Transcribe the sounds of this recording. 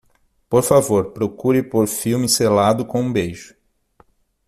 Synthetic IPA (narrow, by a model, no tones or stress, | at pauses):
poɾfavoɾpɾokuɾɪpoɾfiwmɪselad̪ʊkõũbejʒʊ̥